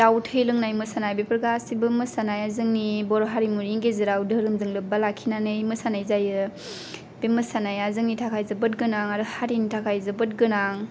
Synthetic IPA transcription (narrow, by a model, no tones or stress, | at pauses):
tawtʰɯjlɯŋnajmɯsanajbepɾɯɡasibɯmɯsanajazɯŋnibɔɾɦaɾimuɾiŋɡezɯɾawdɯɾɯmzɯŋlɯp̚balakʰinanɯjmɯsanajzajɯ | bemɯsanajazɯŋnitʰakʰajzɯbɯt̚ɡɯnaŋaɾɯhaɾinitʰakʰajzɯbɯt̚ɡɯnaŋ